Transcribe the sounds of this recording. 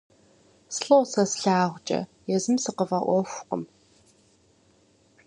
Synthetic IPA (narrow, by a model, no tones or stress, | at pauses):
sɬowsɐsɬaːʁʷt͡ʃʼɐ̰jɛzɨmsɨqəvɐʔʷɔxʷqəm